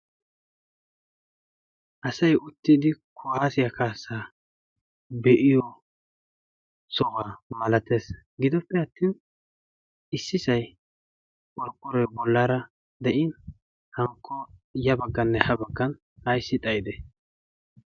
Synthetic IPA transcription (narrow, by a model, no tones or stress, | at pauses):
ʔɐsɐjʊt̪ːɪd̪ɪkʰʊhaːsɪjɐkʰaːsːaː | bɛʔɪjɔ | sɔɣaːmɐlɐt̪eːs | ɡɪd̪ɔpːɛɐt̪ːiːn | ɪsːɪsɐj | kʼɔɾkʼːɔɾɛbɔlːaːɾɐ | d̪ɛʔɪn | hɐŋkʰːɔjɐbɐɡːɐnːɛhɐbɐɡːɐn | ɐjsːɪt̪ʼɐjd̪ɛ